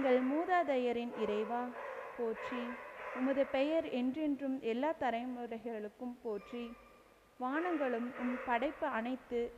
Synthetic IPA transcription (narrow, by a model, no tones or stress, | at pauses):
ŋɡɐɭmuːðaːðɐjɐɾɪnɪɾɐɪʋaːpoːʈriʊmɐðɯpɛjɐɾɛndrɪndrɯmʔɛlːaːt̪ɐɾɐɪmɯɾɐɪɣɐɭɯkːɯmpoːʈri | ʋaːɳɐŋɡɐɭɯmʊmpɐɽɐɪpːɯɐnɐɪt̪ːɯ